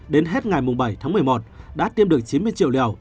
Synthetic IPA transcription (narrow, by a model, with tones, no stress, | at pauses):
ɗe˨˦nɦe˦˥t̚ŋa˨˩jmʊ˨˩ŋ͡mɓə˧˩jt̪ʰaː˨˦ŋmɨ˨˩əjmo˨˩t̚ɗa̰ː˧˥t̪i˧əmɗɨ˨˩ək̚t͡ɕi˨˦nmɨ˧əjt͡ɕḭ˧˨wlḭ˧˨ə˨˩w